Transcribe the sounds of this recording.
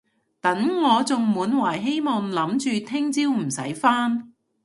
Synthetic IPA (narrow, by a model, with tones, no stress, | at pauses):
t̪ɐ˨˥ŋŋɔː˨˧t͡sʊ˨ŋmuː˨˥nwaː˨˩jɦe˥jmɔː˨ŋlɐ˨˥mt͡ʃyː˨t̪ʰɪ˥ŋt͡siː˥wm̩˨˩sɐ̰˨˥jfaː˥n